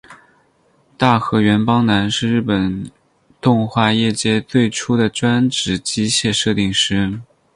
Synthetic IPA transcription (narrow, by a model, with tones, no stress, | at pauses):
t̪a˥˩xɤ˧˥ɥɛ˧˥npɑ˥ŋna˧˥nʂɻ̩˥˧ɻɻ̩˥˩pə˨˩n | t̪ʊ˥˧ŋxwa˥˧jɛ˥˩t͡ɕjɛ˥t͡swe˥˩ɪʈ͡ʂʰu˥d̪ə˨ʈ͡ʂwa˥nʈ͡ʂɻ̩˧˥t͡ɕi˥ɕjɛ˥˧ʂɤ˥˧t̪i˥˧ŋʂɻ̩˥